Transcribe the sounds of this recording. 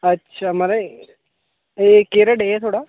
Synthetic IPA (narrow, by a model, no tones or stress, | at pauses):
ɐtːʃʰamɐɾe | ekeːɾɐɖet̪ʰoːɽaː